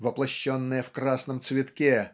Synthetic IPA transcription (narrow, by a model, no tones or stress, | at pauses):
vɐplˠɐɕːonːɨjəfkɾasnəmt̪svʲɪt̪kʲe